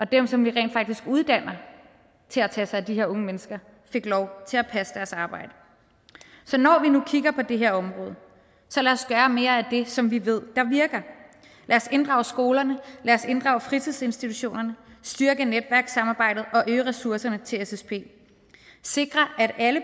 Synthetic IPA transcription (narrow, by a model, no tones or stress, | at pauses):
ʔɒ̽d̥emsɒ̽mʋiʁɛ̰ːnd̥fɑ̈ɡ̥̚d̥isɡ̥uð̞ˠd̥æn̰ɐ | t͡sʰe̝læt͡sʰɛ̰ːsɑ̈ɪd̥iɦe̝ɐɔ̽ŋəmenəsɡ̥ɐ | fe̝ɡ̥lɒʊt͡sʰe̝læpʰæsəd̥æɐsɑ̈ːb̥ɑ̈ɪ̰d̥ə | sɒ̽nɒʋinukʰiɡ̥ɐpʰɒ̽d̥e̝ɦe̝ɐ̰ɒ̽mʁɔːðˠə | sɒ̽læɒ̽sɡ̥ɶːɐme̝ːɐæd̥e̝sɒ̽mʋiʋe̝ð̞̰ˠd̥ɑ̈ʋiɐɡ̥ɐ | lʔæɒse̝nd̥ʁɑ̈ʊsɡ̥o̝ːlɐnəlæɐse̝nd̥ʁɑ̈ʊəfʁit͡sʰiðˠse̝nsd̥it͡sʰuɕo̝̰ːnɐnəsd̥yɐɡ̥əned̥ʋæɐɡ̥sɑ̈mɑ̈ːb̥ɑ̈ɪ̰d̥ð̩ˠɒ̽ʔøːʁɛsuɐsɐnət͡sʰe̝lesespʰe̝̰ː | se̝ɡ̥ʁɐʔæɾælə